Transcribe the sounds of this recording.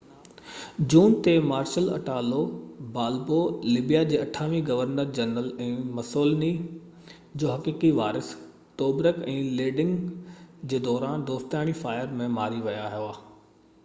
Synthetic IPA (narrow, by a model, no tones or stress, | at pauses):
d͡ʑuːnt̪emaːɾʃəlɐ̰ʈaːlobaːlbolɪbijad͡ʑeːɐʈʰaːʋiɡɐʋəɾnəɾd͡ʑɐnəlɛ̃ːmɐsoːlni | d͡ʑoːɦɐkiːkiʋaːɾɪs | t̪oːbɾəkɛ̃ːleːɖɪ̃ŋɡd͡ʑeːd̪ɔːɾaːnd̪oːst̪jaːɽ̃ifaːɪəɾmẽmaːɾiʋɐjaɦijoaː